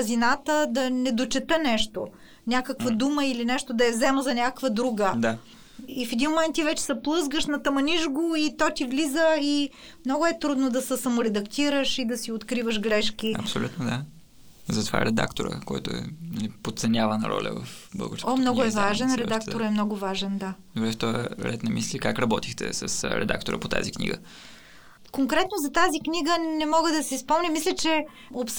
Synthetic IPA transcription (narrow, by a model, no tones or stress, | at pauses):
zinat̪əd̪ɐnɛd̪ot͡ʃɛt̪ənɛʃt̪o | nʲakəkvɐd̪uməilinɛʃt̪od̪ɐɛvzɛməzɐnʲakəkvəd̪ɾuɡəd̪a | ifɛd̪inmomɛnt̪ːivɛt͡ʃɛ̥sɐplˠɤzɡəʃnɐt̪ɐmɐniʒɡoit̪ɔt̪ivlizəi | mnɔɡʊɛt̪ɾud̪nod̪ɐsɛsɐmʊɾɛd̪ɐkt̪iɾəʃid̪ɐsiot̪kɾivəʃɡɾɛʃk̟iɐ̰psolʲṵt̪nod̪a | zɐt̪ova̰ɾɛd̪a̰kt̪oɾə̰kɔjt̪oɛ̰nɐlipot̪̚sɛnʲavənɐ̰ɾɔ̰lʲə̰və̰fbə̰lˠɡəɾskɔmnɔɡʊɛvaʒɛnɾɛd̪akt̪oɾɛmnɔɡʊvaʒɛnd̪ad̪obɾɛft̪ɔjə̰ɾɛ̰t̪nɐmislikakɾɐbɔt̪ixt̪ɛ̰sɐsɾɛ̰d̪a̰kt̪oɾə̰pot̪a̰ziknḭɡə | koŋkɾɛt̪nozɐt̪aziknʲiɡənɛmɔɡəd̪ɐsɛispɔmnʲəmislʲət͡ʃɛ | ops